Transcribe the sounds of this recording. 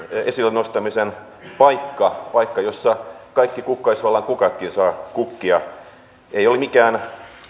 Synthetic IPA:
esilːnost̪ɑmisen | pɑikːɑpɑikːɑjosːɑkɑikːikukːɑisʋɑlːɑŋkukɑt̪kinsɑːkukːiɑ | eiolimikæːn

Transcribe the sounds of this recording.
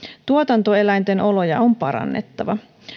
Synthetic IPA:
t̪uot̪ɑnt̪oe̞læjnt̪e̞nʔo̞lo̞jɑompɑɾɑ̰nːe̞̰t̪ːɑʋɑ

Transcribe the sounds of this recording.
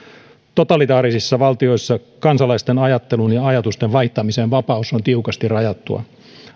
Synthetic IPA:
t̪o̞t̪ɑlit̪ɑːɾisisːɑʋɑlt̪io̞jsːɑkɑnsɑlɑist̪enɑjɑt̪ːe̞lunjɑɑjɑt̪ust̪eʋʋɑiht̪ɑmiseːnʋɑpɑusont̪iukɑst̪irɑjɑt̪ːṵɑ̰

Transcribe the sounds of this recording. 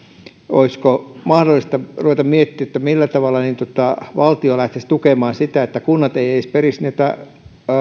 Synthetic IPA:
o̰iskomɑhdolːˑist̪ɑruʋet̪ɑmmiet̪ːiːet̪ːæmilːæt̪ɑʋɑlːˑɑniːnt̪ot̪ɑʋɑlt̪iolæht̪est̪ukemɑːnsit̪æet̪ːækunːɑt̪eieisperisniæt̪æ̰

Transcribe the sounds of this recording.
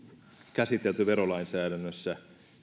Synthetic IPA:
kæsit̪elt̪yʋeɾolɑinsæːdænːøsːæ

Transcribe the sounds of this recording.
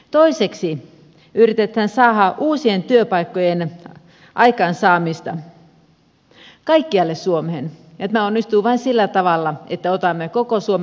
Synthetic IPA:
t̪oiseksi | yrit̪et̪hænsɑːhɑʔuːsient̪yøpɑikːojen | ʔɑikɑːnsɑːmist̪ɑ | kɑikːiɑlːessuomehenjɑt̪mæonːist̪uːʋɑinsilːæt̪ɑʋɑlːɑet̪ːæot̪ɑmːekokosuom

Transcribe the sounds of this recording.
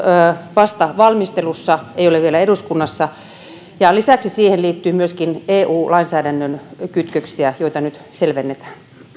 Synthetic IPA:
ʋɑst̪ɑʋɑlmist̪elusːɑeijoleʋʋielæeɾuskunːɑsːɑ | jɑlisæksisiːheliːt̪ːyːmyøskineːʔuːlɑinsæːdænːønkyt̪køksiæjoit̪ɑnyt̪ | selʋenːet̪æ̥ːn

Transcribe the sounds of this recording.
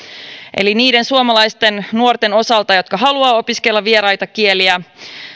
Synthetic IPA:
ʔe̞̰liniːde̞nsuomɑlɑjst̪e̞nnuo̞rt̪e̞no̞sɑlt̪ɑjo̞t̪kɑɦɑluɑːo̞piske̞lːɑʋie̞ɾɑjt̪ɑkie̞liæ

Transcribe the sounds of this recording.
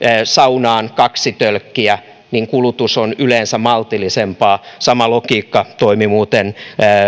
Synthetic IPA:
sɑunɑːnkɑksit̪ølkːiæ | niŋkulut̪usonyleːnsæmɑlt̪ilisempɑːsɑmɑlokiːkːɑt̪oimimuːt̪enː

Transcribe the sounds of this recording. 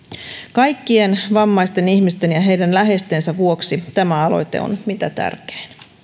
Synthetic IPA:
kɑjkːie̞nʋɑmːɑjst̪e̞niçmist̪e̞njɑɦe̞jdænlæɦe̞st̪e̞nsæʋuoksit̪æmæɑlo̞̰jt̪e̞̰o̰nmit̪æt̪æ̰rke̥ːn

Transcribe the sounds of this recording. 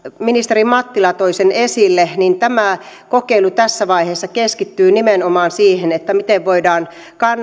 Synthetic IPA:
minist̪erimɑt̪ːilɑt̪oisenesilːenint̪æmæ | kokeilut̪æsːæʋɑiheːsːɑkeskit̪ːyːnimenomɑːnsiːhenet̪ːæmit̪eʋʋoidɑːn | kɑn

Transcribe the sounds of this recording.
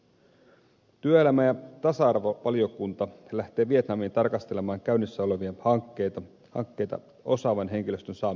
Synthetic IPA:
t̪yøe̞læmæjɑt̪ɑsɑɑrʋoʋɑlio̞kunt̪ɑlæht̪e̞ːʋie̞t̪nɑmint̪ɑrkɑst̪e̞le̞mɑːŋkæynːisːæo̞le̞ʋiɑhɑkːet̪ɑ | hɑ̰ŋkːe̞jt̪ɑ̰ | o̞sɑːʋɑnɦe̞ŋk̟ilø̞st̪ønsɑː

